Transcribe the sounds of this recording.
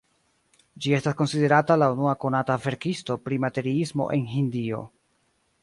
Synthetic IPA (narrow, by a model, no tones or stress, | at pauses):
d͡ʒie̞stasko̞nside̞ɾatalaunuako̞natave̞ɾkisto̞pɾimate̞ɾiismo̞̰ʔe̞nɦindio̞̰